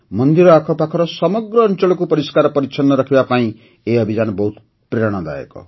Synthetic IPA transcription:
mɔnd̪iɾɔakʰɔpakʰɔɾɔsɔmɔɡɾɔːnt͡ʃɔɭɔkupɔɾiskaɾɔpɔɾit͡ʃʰɔnːɔɾɔkʰibapaĩ | eɔbʱid͡ʒanɔbɔɦut̪ | pɾeɾɔɽ̃ɔd̪a̰jɔ̰kɔ̰

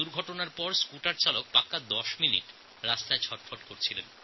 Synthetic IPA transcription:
uɾɡʱɔʈonaɾpɔɾskuʈaɾt͡ɕalok̚pakːad̪ɔʃminḭʈ | ɾast̪aet͡ɕʰɔʈfʰoʈkoɾt͡ɕʰilen

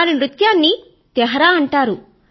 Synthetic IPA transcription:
linɾut̪jaːnːi | t̪ɛɦɐɾaːɐɳʈaːɾu

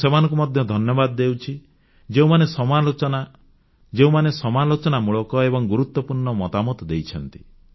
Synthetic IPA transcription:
semanɔ̃ŋk̬umɔd̪ʱjɔd̪ʱɔnjɔbad̪ɔd̪ewt͡ʃʰi | d͡ʒeũmanesɔmalot͡ʃɔna | d͡ʒeũmanesɔmalot͡ʃɔnamuɭɔkɔebɔŋɡuɾut̪wɔpuɾɳɔmɔt̪amɔt̪ɔd̪ejt͡ʃʰɔnt̪i̥

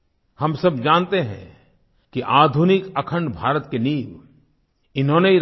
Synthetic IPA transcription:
hɐmsɐbd͡ʒãːnt̪eɦɛ̰̃ | kiʔaːd̪ʱunɪkɐkʰə̃ɳɖbʱaːɾət̪keniːʋ | ɪnɦõneiɾ

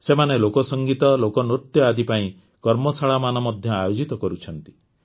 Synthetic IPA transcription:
semanelokɔsɔŋɡit̪ɔlokɔnot̪jɔad̪ipaĩ | kɔɾmɔsaɭamanɔmɔd̪ʱjɔajod͡ʒit̪ɔkɔɾut͡ʃʰɔn̪t̪i̥

